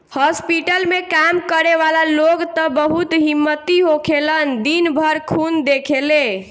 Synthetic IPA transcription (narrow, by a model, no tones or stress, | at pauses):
hɔspiʈəlmekamkəɾeʋalaloɡt̪ə̃bəɦut̪ɦimːət̪iɦokʰelənd̪inbʱəɾkʰund̪ekʰele